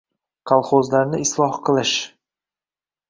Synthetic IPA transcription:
qʰɑlˠχozlaɾnɪɪslˠɒhqʰɨlˠɪʃ

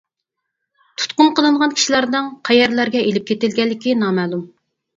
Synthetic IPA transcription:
t̪ʰu̥t̪qʊnqəlˠɨɴʁɑnkʲʰi̥ʃilˠɑɾd̪ɨŋqʰæjɛɾlæɾɡʲɛelɪp̚kʲet̪ɪlɡʲɛlːɪkʲinɑːmɛlˠum

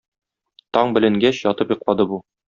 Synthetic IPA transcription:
t̪ɒɴbɘ̆lɘ̆ŋɡæɕjɒt̪ɤpjŏqlˠɑd̪ɤbu

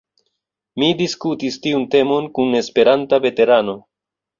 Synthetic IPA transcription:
midiskutistiunte̞mo̞nkune̞spe̞ɾantave̞te̞ɾano̞

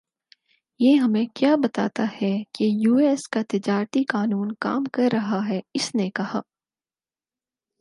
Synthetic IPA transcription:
jeːɦɐmẽkjaːbɐt̪a̰ːt̪ahɛkejuːeːskat̪ɪd͡ʒaːɾət̪ikaːnuːnka̰ːmkɐɾːɐɦaɦɛɪsnekɐhaː

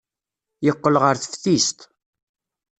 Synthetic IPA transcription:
jəqːəlʁəɾθə̥fθist̪

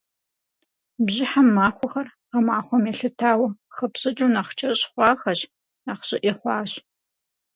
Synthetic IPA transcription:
bʑɪħamːaːxʷɔxɐrqɐmaːχʷɔmeːɬɨtʰaːwɐχɐpɕʼɐt͡ʃʼunaχt͡ʃʰʼɐɕʼχʷɑːxɐɕ | aːχɕʼɪʔiχʷɑːɕ

